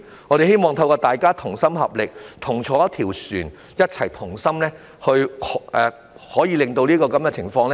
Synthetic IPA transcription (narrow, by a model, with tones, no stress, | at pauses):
ŋɔː˨˧ɾe˨jhe˥jmɔː˨˧ŋt̪ʰɐ˧wkɔː˧t̪aː˨jkaː˥t̪ʰʊ˨˩ŋsɐ˥mhɐ˨p̚lɪ˨k̚t̪ʰʊ˨˩ŋt͡ʃʰɔː˨˥t̪ʰiː˨˩wsyː˨˩n | jɐ˥t̚t͡sʰɐ˨˩jt̪ʰʊ˨˩ŋsɐ˥mlɛː˥ | hɵ˧ɥʔɛ˨ | hɔː˨˥jiː˨˧lɪ˨ŋt̪o˧wliː˥kɔː˧kɐ˨˦mkɛ˧t͡sʰɪ˨˩ŋfɔː˧ŋlɛ˥